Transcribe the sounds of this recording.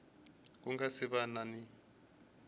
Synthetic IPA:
k̬uŋɡasiβanani

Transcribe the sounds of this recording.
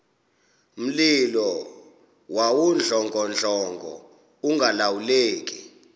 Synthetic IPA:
m̩lilɔ | wawund͡ɮʱɔŋɡɔnd͡ɮʱɔŋɡʱɔ̰ | uŋɡʱalawuleːk̬ʼi

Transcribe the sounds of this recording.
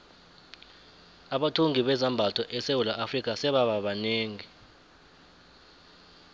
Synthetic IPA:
aɓatʰuŋiɓɛzambʱatʰɔʔɛsewulaʔafrikʼasɛɓaɓaɓaneːŋi

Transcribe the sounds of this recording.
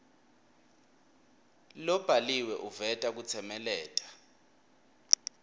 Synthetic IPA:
lɔb̥ʱaliwɛʔuvɛtʼak̬ut͡sʰɛmɛlɛːtʼḁ

